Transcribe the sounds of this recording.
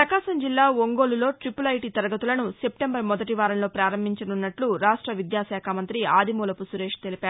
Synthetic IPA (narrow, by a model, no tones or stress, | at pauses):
pɾɐkaːʃɐmd͡ʒilːaːoŋɡo̞ːlulo̞ːʈɾipulɐjʈit̪ɐɾɐɡɐt̪ulɐnuse̞p̚ʈembɐɾmɔd̪ɐʈiʋaːɾɐmlo̞ːpɾaːɾɐmbʱiɲt͡ʃɐnunːɐʈluɾaːʂʈɾɐʋid̪jaːsɛːkʰaːmɐnt̪ɾiaːd̪ʱimoːlɐpusuɾeːʂt̪e̞lipaːɾu